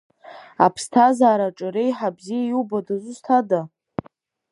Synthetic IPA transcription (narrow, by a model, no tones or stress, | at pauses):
a̰pʰstʰazaːɾaʈ͡ʂʼɨɾejħabzijajiwbadazʷʊstʰada